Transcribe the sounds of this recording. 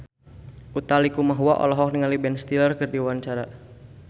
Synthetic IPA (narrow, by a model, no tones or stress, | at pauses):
ʔut̪alikumaɦuaʔɔ̰lɔɦɔk̚niŋalibɛnst̪ilərkərdiwant͡ʃaɾa